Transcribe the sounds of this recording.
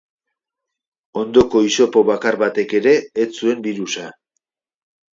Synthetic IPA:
o̞nd̪o̞ko̞iso̞po̞βakaɾβat̪e̞ke̞ɾe̞ːt͡sue̞mbiɾusa

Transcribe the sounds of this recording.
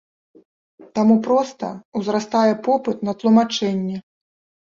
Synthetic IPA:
t̪amupɾɔst̪ɐ̰wzɾast̪ajɛpɔpɨt̪nɐt̪lˠumat͡ʂɛnʲːɛ

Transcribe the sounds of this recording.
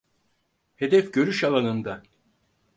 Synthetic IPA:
he̞d̪ɛfɟø̞ɾyʃalˠanɯnd̪a

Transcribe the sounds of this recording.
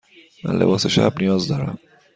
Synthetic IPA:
mæ̰nlḛbɒːseʃæb̚nijɒːzd̪ɒːɾæm

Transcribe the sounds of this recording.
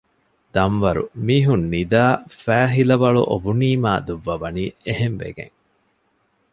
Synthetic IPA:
d̪ɐmʋɐɾṵmiːɦunːid̪aːfæːɦilɐbɐɭṵʔobuniːmaːd̪uʋːɐʋɐniːeɦemʋḛɡḛŋ

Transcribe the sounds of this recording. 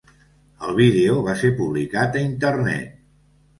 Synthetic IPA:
əlˠβ̞iðeoβaseɾpuβlikat̪əint̪əɾnɛ̰t̪̚

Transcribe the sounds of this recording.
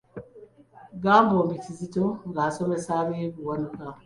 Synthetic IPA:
ɡambɔmbitizitoŋɡasɔmɛsaːbieɡuwanuka

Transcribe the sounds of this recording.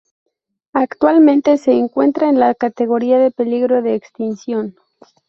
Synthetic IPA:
akt̪walmẽnt̪e̞se̞ːŋkwe̞nt̪ɾaenlakat̪e̞ɣo̞ɾiaðe̞pe̞liɣɾo̞ðeːkst̪insjo̞n

